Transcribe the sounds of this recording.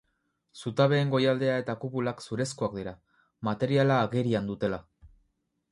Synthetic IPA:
sut̪aβ̞e̞ːŋɡo̞jald̪e̞ae̞t̪akuβulaksuɾe̞skuak̚d̪iɾa | mat̪e̞ɾialaːɣeɾiand̪ut̪e̞la

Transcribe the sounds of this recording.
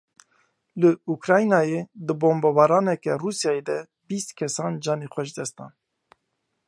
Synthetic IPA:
lɨukɾɑːjnɑːjed̪ɨboːmbɑbɑːɾɑːnɛkɛruːsjɑːjed̪ɛ | bist̪kʰɛsɑːnd͡ʒɑːneːxʷɛʃd̪ɛst̪ɑ̰ːn

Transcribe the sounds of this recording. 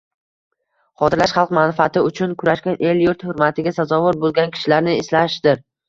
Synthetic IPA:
qʰɒt̪ʰɪɾlaʃχɑlˠqmanɪfat̪ʰɪʊt͡ʃʰʊnkʰʊɾaʃkʲanʔe̞ljʊɾt̪hʊɾmat̪ʰɪɡʲasazɒvʊɾbolˠɡʲankʲʰɪ̥ʃɪlaɾnɪeslaʃd̪̥ɪɾ

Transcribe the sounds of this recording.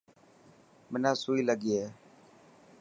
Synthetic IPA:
mɪnãːsuːiːləɠiːeː

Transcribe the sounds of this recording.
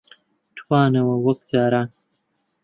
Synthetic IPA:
tʰwaːnɐwɐwɐk̚zaːɾaːn

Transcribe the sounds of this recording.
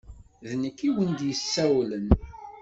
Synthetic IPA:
ðnəkːiwənd̪jəsːæwlən

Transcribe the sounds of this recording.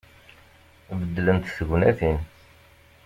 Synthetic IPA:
bəd̪ːlənt̪səɡnæθin

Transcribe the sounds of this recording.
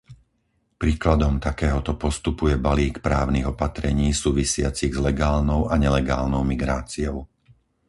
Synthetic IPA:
pɾiːklad̪ɔmt̪akɛːɦɔt̪ɔpɔst̪upujɛbaliːkpɾaːʊniɣɔpat̪ɾɛɲiːsuːʋisɪat͡siɣzlɛɡaːlnɔʊaɲɛlɛɡaːlnɔʊmiɡɾaːt͡siɔʊ

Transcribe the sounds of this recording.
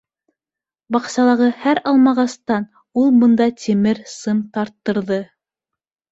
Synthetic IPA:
bɑqsɑlˠɑʁɤhæɾɑlˠmɑʁɑst̪ɑn | ulˠbɤ̆nd̪ɑt̪ʲʰimɘɾsɤmt̪ɑɾt̪ːɤ̆ɾðɤ

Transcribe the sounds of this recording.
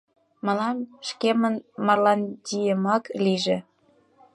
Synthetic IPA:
mɑlɑmʃkemənmɑrlɑndʲijəmɑkliʒe

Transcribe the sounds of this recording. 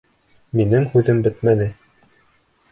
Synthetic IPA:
minɘmhʉðɘmbɘt̪mænɘ

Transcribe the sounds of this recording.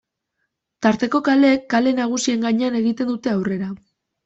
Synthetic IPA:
t̪aɾt̪e̞ko̞kale̞ːkːale̞naɣ̞usie̞ŋɡaɲe̞ane̞ɣit̪e̞nd̪ut̪e̞awre̞ɾa

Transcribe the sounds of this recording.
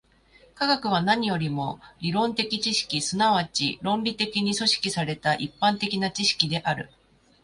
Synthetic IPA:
kaɡakɯ̟β̞anaɲ̟ijo̞ɾʲimo̞ɾʲiɾõ̞nt̪e̞kʲit͡ɕiɕi̥kʲisɨnaβ̞at͡ɕḭɾõ̞mbʲit̪e̞kʲiɲ̟iso̞ɕi̥kʲisaɾe̞t̪aʔipːãnt̪e̞kʲinat͡ɕiɕi̥kʲid̪e̞ʔaɾɯ̟̰

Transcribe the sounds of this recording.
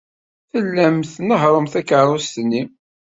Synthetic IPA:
θəlːæmθnəɦɾˤəmθækəɾˤʊst̪nːi

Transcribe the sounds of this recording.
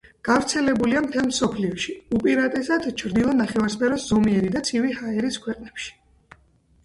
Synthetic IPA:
ɡ̥avɾt̪sʰɛlɛbuliamt̪ʰɛlmsɔpʰliɔʃiupʼiɾat̪ʼɛsad̪t͡ʃʰɾd̪ilˠɔnaχɛvaɾspʰʼɛɾɔszɔmiɛɾid̪at̪sʰivihaɛɾiskʰwɛqʼnɛpʃi̥

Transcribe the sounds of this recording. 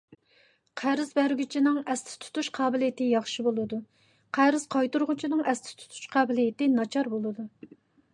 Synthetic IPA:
qʰæɾɨzbæɾɡʲyt͡ʃʰinɨŋɛst̪ʰɪ̥t̪ʰu̥t̪ʰuʃqʰɑːbɪlijɪt̪ɪjɑχʃibolˠɨd̪u | qʰæɾɨz̥qʰɑjt̪uɾʁʊt͡ʃʰinɨŋɛst̪ʰɪ̥t̪ʰu̥t̪ʰu̥ʃqʰɑːbɪlijɪt̪ɪnɑt͡ʃʰɑɾbolˠɨd̪u

